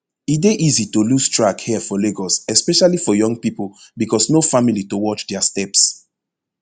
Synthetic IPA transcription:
ideʔizitolustɹakhɛfɔleɡɔsɛspɛʃalifɔjɔ̃ŋɡ̚pipolbikɔsnofamilitowɔt͡ʃdɛastɛps

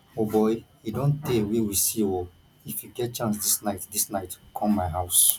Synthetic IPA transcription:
obɔɪ | idõnttewiwisiwɔ | ifjuɡɛt̚t͡ʃãns̬disnaɪtdisnaɪtkʰɔ̃mːaɪɦaʊs

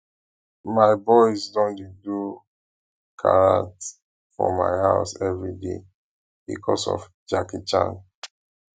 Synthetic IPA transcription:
maɪbɔɪsdõndedu | kʰaɹãnt | fɔ̰ma̰ɪhaʊsɛvɹidḛ | bḭkʰɔsɔ̰f | d͡ʒakit͡ʃã̰n

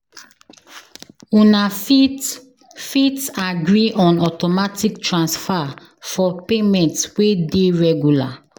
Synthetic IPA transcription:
ũna | fitaɡɹiʔɔ̃nɔtɔmatʰiktɹãnsfa | fɔpemɛ̃ntswedeɹɛɡjula

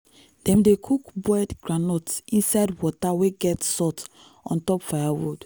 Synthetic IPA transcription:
d̥ɛ̃mdekʰukbɛdɡɹanɔtĩnsaɪdwɔtaweɡɛtsɔt | ɔ̰̃ntɔpfajawo̰d

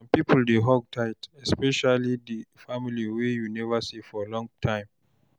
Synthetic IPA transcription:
ãmpipʰəldeɦɔɡ̚tʰaɪtɛspɛʃalidifamiliwejunɛvəsifɔəlɔ̃ŋtʰãɪ̃m

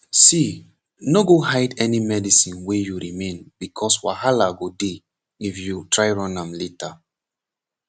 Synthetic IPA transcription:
si | noɡohajdɛnimɛdisĩnwejuɹimẽnbikʰɔswahalaɡode | ifjutʰɹajɹɔ̃nãmleta

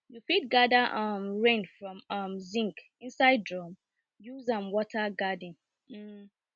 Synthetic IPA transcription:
jufit̚ɡadaʔʌmɹẽnfɹɔ̃mʌmzĩŋk | ĩnsaɪd̚dɹɔm | juzãmwɔtʰaɡadĩn | m̩

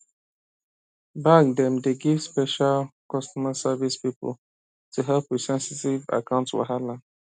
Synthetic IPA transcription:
bak̚dɛ̃mdeɡivspɛʃalkɔstɔməsavispipə̰l | tʰuɦɛlpwisɛ̃nsitiva̰kãʊ̃ntswɔ̰ɦalãn

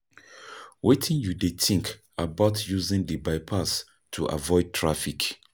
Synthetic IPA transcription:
wetʰĩnjudetʰĩŋk | abaʊtʰjuzĩŋdəbaɪpʰas | tʰuʔa̰vɔɪd̚tʰɹafik

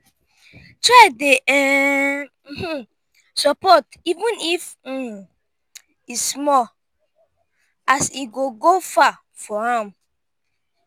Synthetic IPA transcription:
tadeʔɛ | sɔpɔtivũnif̩ | ismɔ | asiɡoɡofa | fɔãm

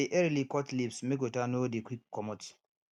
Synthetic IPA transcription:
iʔɛɾilikɔtlipsmekwetanodekwikːɔmoti̥

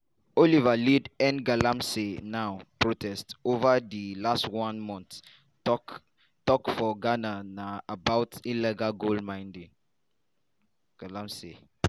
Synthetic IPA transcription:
olivalidɛ̃nɡalãmsenaʊpɹotʰɛstovadilastwãnmɔ̃nt | tɔkfɔɡananaːbaʊtilɛɡalɡoldmãɪ̃ndĩŋ | ɡ̥alãmse

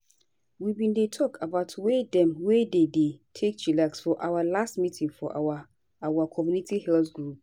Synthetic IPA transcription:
wibĩndetʰɔkʰabaʊtʰwedɛ̃mwededetʰek̚d͡ʒilaksfɔʔawalastmitʰĩŋfɔʔa | awakʰɔmjunitihɛltɡɹup̚

